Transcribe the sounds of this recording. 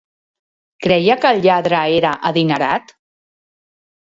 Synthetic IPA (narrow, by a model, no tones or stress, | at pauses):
kɾɛjəkəlʎaðɾəeɾəʔəðinəɾa̰t̪